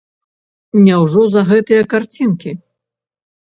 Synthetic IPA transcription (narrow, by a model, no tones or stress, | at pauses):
nʲɛwʐɔzɐɣɛt̪ɨjɐkart͡sʲinkʲi